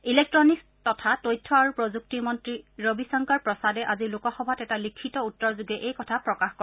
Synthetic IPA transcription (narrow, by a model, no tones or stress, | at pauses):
ilek̚tɹɔnik | tɔtʰatojtʰːɔaɹupɹozuk̚timɔntɹiɹobisɔŋkaɹpɹɔsadɛʔazilʊkɔxɔbʱatɛtalikʰːitɔutːɔɹzuɡɛʔejkɔtʰapɹɔkaxkɔ